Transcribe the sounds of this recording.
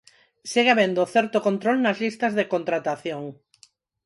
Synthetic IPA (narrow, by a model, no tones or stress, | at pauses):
siɣeaβend̪oθɛɾt̪okont̪ɾolnɐzlist̪ɐzðekont̪ɾat̪aθjoŋ